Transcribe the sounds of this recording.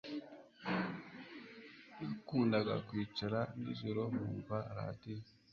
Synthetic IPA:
ikuːndaɡa̰kwiːt͡ʃaɾaniʒoɾomṵːɱvaɾa̰ːti

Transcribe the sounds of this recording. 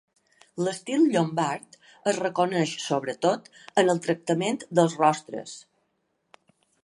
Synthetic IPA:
ləst̪ilˠʎombaɾt̪ | əzrəkonəʃsoβɾət̪ot̪ | ənəlˠt̪ɾək̚t̪əment̪d̪əlˠzrɔst̪ɾə̰s

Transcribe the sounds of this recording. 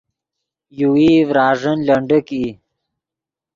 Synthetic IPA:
juwivɾɑːʐənlɐɳɖəki

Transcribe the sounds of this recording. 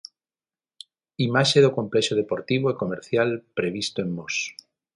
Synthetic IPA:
imaʃeðoko̞mpleʃoðepoɾt̪iβoekomeɾθjalpɾeβ̞ist̪oemːos

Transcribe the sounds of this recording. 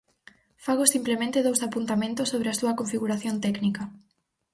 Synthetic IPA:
faɣosimplemẽnt̪eðowsapunt̪amẽnt̪ʊsːoβɾɪɐsuɐkoɱfiɣuɾaθjont̪ɛknikɐ

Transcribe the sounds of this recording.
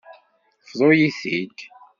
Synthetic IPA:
fðˤojiθiɡ

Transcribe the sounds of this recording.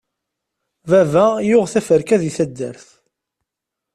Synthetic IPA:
vævæjʊʁθæfəɾkæðiθæd̪ːə̰ɾθ

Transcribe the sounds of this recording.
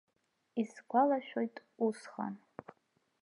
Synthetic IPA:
iskʷʰalaʃᶣojtʼusχa̰n

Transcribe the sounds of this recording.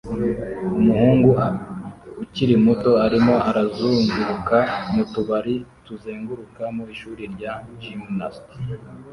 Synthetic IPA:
umuhuːŋɡua | uciɾimuto̞aɾimo̞ʔaɾazuŋɡuɾukanutuβaɾituzeːŋɡuɾukamoiʃuːɾiɾɟaʒimnast

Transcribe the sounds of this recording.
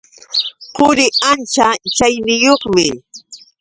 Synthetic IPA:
qʊɾɪant͡ʃat͡ʃajnɪjoχmɪ

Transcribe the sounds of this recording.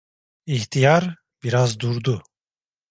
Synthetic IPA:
içt̪ʰijaɾ | b̥iɾazd̪uɾd̪u

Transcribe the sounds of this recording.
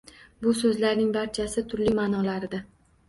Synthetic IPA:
bʊsɵzlaɾnɪŋbaɾt͡ʃʰasɪt̪ʰʊɾlimaːnɒlaɾɪd̪a

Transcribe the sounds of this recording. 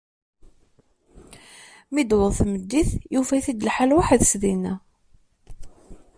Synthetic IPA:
mid̪wəðˤθməd̪ːiθjufæθid̪əlħalwaħðsðinæ

